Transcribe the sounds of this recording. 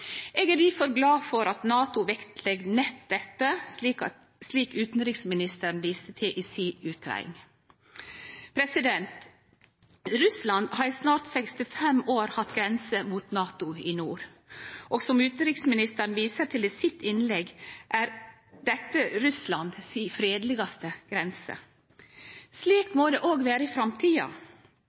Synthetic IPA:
ʔeːɡæɾliːfɔɾɡlɑːfɔɾɑt̪nɑːt̪ʊʋɛkt̪ʰlɛɡnɛt̪d̪ɛt̪ːək | sliːkʉːt̪n̩ɾɪksmɪnɪst̪əɾn̩ʋiːst̪ət̪ʰɪʔɪsiːʉːt̪̚k̪ʰɾɑ̰ɪɪ̰ŋ | pʰɾɛsɪd̪ɛnt̪ | ɾʉslɑnd̪hɑɾsnɑːɾt̪sɛkst̪ɪfɛmoːɾhɑt̪ɡɾɛnsəmuːt̪nɑːt̪ʊɪnuːɾ | ʔɔːɡsɔmʉːt̪n̩ɾɪksmɪnɪst̪əɾnʋiːsət̪ʰɪliːsɪt̪ɪnlɛɡʔæːɾ | d̪ɛt̪ːəɾʉslɑnd̪siːfɾeːd̪lɪɡɑst̪əɡ̥ɾɛnsə̰ | sliːkmod̪eːʔoːɡʋeːɾəɪfɾɑmt̪ʰiːɑ̰

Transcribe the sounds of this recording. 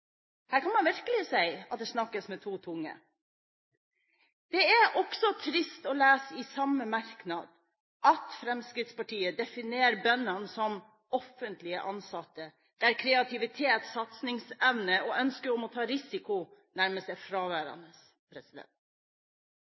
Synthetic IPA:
hæːɾkʰɑnmɑnʋɪɾkəlɪsæɪɑt̪̚d̪ɛsnɑkːəsmɛt̪ʰuːt̪ʰʊŋːə̰ | d̪̥ɛæʔɔksɔt̪ʰɾɪst̪ɔːlæːsɪsɑmːəmɑɾknɑ̰d̪ | ɑt̪fɾɛmskɾɪt̪spɑʈiːəd̪ɛfɪneːɾbœnɑnsɔm | ɔfːənt̪lɪə̰ʔɑnsɑt̪ːə | d̪̥æːɾkʰɾɛɑt̪ʰɪʋɪt̪ʰeːt̪sɑt̪snɪŋsɛʋnəoːʔœnskəɾɔmɔt̪ʰɑːɾɪsɪkʊnæɾməst̪ɛfɾɑːʋæːɾɑ̰nəs | pʰɾɛsɪd̪ɛ̰nt̪

